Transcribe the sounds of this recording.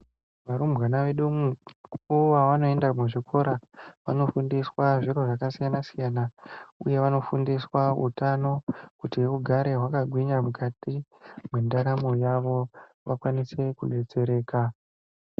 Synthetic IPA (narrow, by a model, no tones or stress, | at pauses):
ʋaɾumbwanaʋe̞ɗumukuʋaʋano̞e̞ndamuʐikʰo̞ɾaʋano̞fundiswaʐiɾo̞ʐakasijanasijanaṵje̞ʋano̞fundiswaṵtano̞kutiuɡʱaɾe̞ɦwakaɡʱwiɲamukatimwendaɾamojaʋo̞ | ʋakwanise̞kuɗe̞t͡se̞ɾe̞ːka